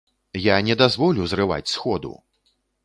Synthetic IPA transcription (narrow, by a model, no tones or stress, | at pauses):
janʲɛd̪azvɔlʲuwzrɨva̰t͡sʲsxɔd̪ṵ